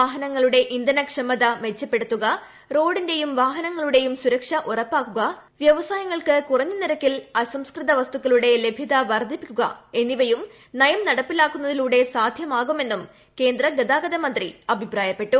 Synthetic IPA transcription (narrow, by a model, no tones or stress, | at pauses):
aːɦɐnɐŋːɐɭuɽe̞ʔind̪ɐnɐkʂɐmɐðɐmet͡ɕːɐpːe̞ɽut̪ːuɣɐ | ro̞ːɽinde̞jumʋaːɦɐnɐŋːɐɭuɽe̞jumsuɾɐkʂɐʔurɐpːaːkːuɣɐʋjɐʋɐsaːjɐŋːɐɭkɨkurɐɲːuniɾɐkːilɐsɐmskrɨt̪ɐʋɐst̪ukːɐɭuɽe̞le̞bʱjiðɐʋɐrd̪ʱipːikʲːuɣɐ̰e̞nːiʋɐjum | nɐjɐmnɐɽɐpːilaːkːunːɐðiluːɽe̞saːd̪ʱjɐmaːɣume̞nːum | ke̞ːnd̪rɐɡɐd̪aːɡɐðɐmɐnd̪riɐbʱipraːjɐpːe̞ʈːu